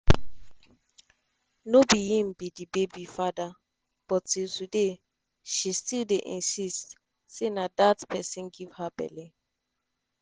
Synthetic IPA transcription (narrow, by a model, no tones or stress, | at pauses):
nobijĩmbidibebifada | b̥ɔtiltude | ʃistildeʔḭ̃nsist | senadatpʰɛsĩnɡiv̥habɛ̰lẽ